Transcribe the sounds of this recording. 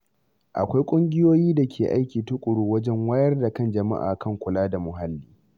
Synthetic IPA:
ʔa̰˨kʷa˦jkʷʼʊ˦ŋɡʲɪ˦joː˦jiː˦da˨kʲʰeː˨ʔa˦jkʲiː˨tʊ˦kʷʼʊ˨ɽuː˦wɐ˦d͡ʒɛ˦ŋwaː˦jɐ˦rda˨kɐ˦nd͡ʒɐ˨ma̰˦ʔa̰ː˨kʰɐ˦ŋkʷʊ˨laː˦da˨mʊ˨ɦa˦lːiː˦

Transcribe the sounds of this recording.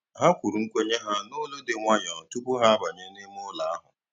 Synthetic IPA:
ɦa˦kʷu˨ɾu˨ŋ̩˦kʷe˦ɲe˦ɦa˦no˦lo˦de˨ŋʷa˦ɲɔ˨tu˦pʊ˦ɦa˦a˦ba˨ɲe˦ne˦m˦ʊ˦la˨a˦ɦʊ̰˨

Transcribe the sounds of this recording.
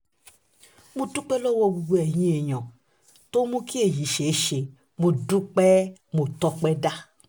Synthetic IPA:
mũ˦tu˦k͡pe˦lo˦wo˧ɡu˧ɡu˧˦ɛ˨ɲĩ˦e˨ɲɔ̃˨ | to˦mũ˦ki˦e˨ji˨ʃe˨˦ʃe˨ | mu˧du˦k͡pɛ˦mo˨tɔ˧k͡pɛ˦da˦

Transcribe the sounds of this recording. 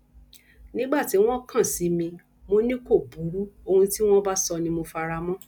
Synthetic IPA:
nĩ˨˦ɡ͡ba˦˨ti˨˦w̃ɔ̃˦kã˦˨si˨˦mĩ˧ | mo˦nĩ˦ko˦˨bu˨˦ɾu˦o˧hũ˧ti˦w̃ɔ̃˦ba˦sɔ˧nĩ˧mo˧fa˧ɾa˧mɔ̃˦

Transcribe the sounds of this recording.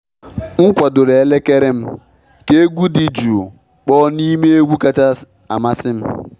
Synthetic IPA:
ŋ̩˦kʷa˨dʊ˨ɾe˨e˨˦le˦ke˦ɾe˦m̩˦ | ke˦e˦ɡʷu˦di˨d͡ʒu˨ | k͡pɔ˦ni˦me˦e˦ɡʷu˦ka˦t͡ʃa˦ | a̰˨ma˦sɪ˦m̩˦

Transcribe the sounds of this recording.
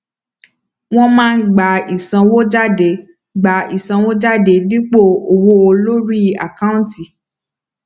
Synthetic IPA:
w̃ɔ̃˦mãː˦˧˦ɡ͡ba˨i˨sã˧wo˦d͡ʒa˦˨de˨˦ | ɡ͡ba˨i˨sã˨˧wo˦d͡ʒa˦de˨˦li˦k͡po˦˨o˨wo˦o˧lo˦ɾi˦˨a̰˨kã˦ũ˦˨˦ti˨

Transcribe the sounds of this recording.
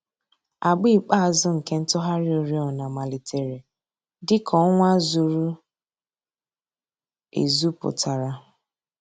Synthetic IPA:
a˨ɡ͡bi˦k͡pa˦a˨zʊ˦ŋ̩˨ke˦n̩˦tʊ˦ɦa˦ɾɪ˦o˨ɾi˦ɔ˨na˨ma˨li˨tʰe˨ɾe˨ | dɪ˦kʰɔ˦ŋʷa˦zu˨ɾu˦ | ḛ˨zu˦pʊ̰˨tʰa˨ɾa˨

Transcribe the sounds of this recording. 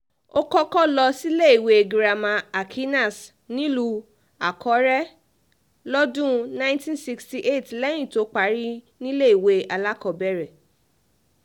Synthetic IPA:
o˦kɔ˦kɔ˦lɔ˧si˦le˦i˨we˧e˨ɡɾa˨mã˧a˨kʰi˦na˦˨s | nĩ˦lu˧ | a˨kʰɔ˨˦ɾɛ˦ | lɔ˦dũ˦nã˦j̃ntĩ˦nsi˧ksti˨ʔe˦˨tlɛ˦j̃ĩ˦˨to˨˦k͡pa˨˦ɾi˦ | nĩ˦le˦i˨we˧˦a˨la˦kɔ˧˨bɛ˦˨ɾɛ˨

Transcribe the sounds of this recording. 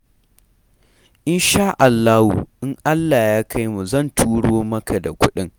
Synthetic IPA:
ʔɪ˦nʃaː˦ʔa˨lːaː˦hṵ˨ʔɪ˦ŋʔa˦lːaː˨jaː˦kʰa˦jmu˨zɐ˦˨ntʰuː˦ɽoː˦mɐ˦kʰa˨da˨kʷʊ˦ɗɪ˦ŋ

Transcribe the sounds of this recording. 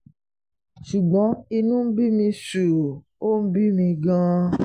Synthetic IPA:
ʃu˨ɡ͡bɔ̃˨˦i˧nũ˦m̩˦bi˦mĩ˧su˨ | o˦m̩˦bi˦mĩ˧ɡã˦

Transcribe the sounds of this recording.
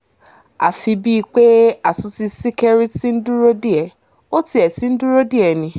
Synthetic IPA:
a̰˨fi˧bi˦˧k͡pe˦a˨tu˧ti˧si˦kɛ˦ɾi˦ti˦n̩˦du˦ɾo˦di˦ɛ˨ | o˦ti˧˦ɛ˨ti˨˦n̩˦du˦ɾo˦di˦ɛ˨nĩ˧

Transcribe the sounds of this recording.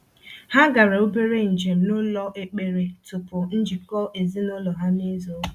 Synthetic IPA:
ha˦ɡa˨ɾe˨o˦be˦ɾe˦n̩˨d͡ʒe˨m̩˨nʊ˦lɔ˦ʔe˨k͡pe˨ɾe˨tʊ˨pʊ˨n̩˦d͡ʒi˨kɔ˦e˨zi˦nʊ˦lɔ˨ɦa˦ni˦zo˦

